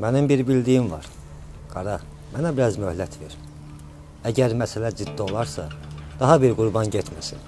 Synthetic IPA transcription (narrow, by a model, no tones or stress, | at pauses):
mænimbiɾbild̪ijimvɑ̰ɾ | ɡ̥ɑɾɑ | mænæbiɾɑzmøhlæt̪ʰveɾ | æɟæɾmæsælæd͡ʒid̪ːio̞lˠɑɾsɑd̪̥ɑɦɑbiɾɡuɾbɑnɟet̪ʰmæsin